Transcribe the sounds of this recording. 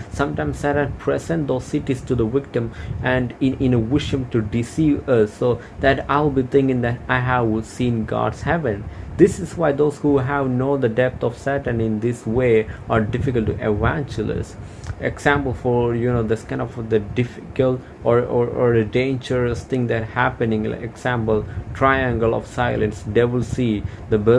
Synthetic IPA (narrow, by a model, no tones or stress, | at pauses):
sʌ̃mʈãɪ̃msæɾə̃npʰɹɛsɛ̃nʈ̚d̪oːz̥sɪʈisʈud̪əwɪk̚ʈə̃mæ̃ɳɖɪ̃ɪ̃nəwɪʃə̃mʈuɖɪsivʌso | d̪æʈaɪlˠbit̪ʰɪ̃ŋkɪ̃ŋd̪ætaɪɦævsĩːnɡɑ̰ɖshɛvə̃nd̪ɪsɪzwaɪd̪oːzhuɦævnoːd̪əɖɛp̚t̪ʰɔfsæʈə̃nɪ̃nd̪ɪsweːaɾɖɪfɪkəlʈːuʔɛʋæ̃nd͡ʒəlɪ̰s | ḛɡsæ̃mpəl̩fɔɹjunoːd̪æskãɪ̃ndɔfd̪əɖɪfɪkəl | ɔɾɔɔɾdəɖẽɪnd͡ʒəɹəst̪ʰɪ̃ŋd̪æthæpɨnɪ̃ŋ̰eɡsæ̃mpəlʈʰɾaɪæ̃ŋɡəlɔ̰fsaɪlə̃nsdeʋɪlsi | d̪əbə